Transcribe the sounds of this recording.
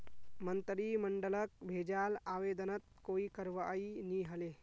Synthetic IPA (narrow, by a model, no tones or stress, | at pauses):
mənt̪ɾiːməɳɖələk̚bʱed͡ʒaːlaːʋeːd̪ənət̪̚koːikəɾʋəainiɦəle